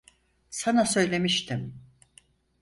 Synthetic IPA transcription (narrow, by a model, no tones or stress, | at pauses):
sanasø̞jlʲe̞miʃt̪ʰim